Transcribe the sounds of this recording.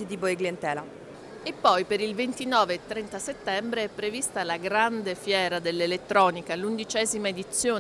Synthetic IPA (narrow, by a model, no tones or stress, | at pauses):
id̪iboeɡlient̪ɛːla | epːɔjpeɾilvent̪inɔːveːt̪ːɾɛnt̪aset̪ːɛmbɾeɛpːɾevist̪alaɡɾand̪efjɛːɾad̪elːelet̪ːɾɔːnikalund̪it͡ʃɛːzimaed̪it̪sːjoː